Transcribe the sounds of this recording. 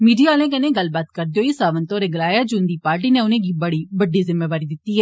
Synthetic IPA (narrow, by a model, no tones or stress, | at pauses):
miːɖiːaːlẽːkənẽːɡəlbaːt̪kəɾd̪eoːiːsaːʋənt̪õːɾeːɡəlaːjaːd͡ʒoːnd̪iːpaːɾʈ̬iːneːʊnẽːɡiːbəɽiːbəɖːiːzɪmːeːʋaːɾiːd̪ɪt̪ːiːɦɛː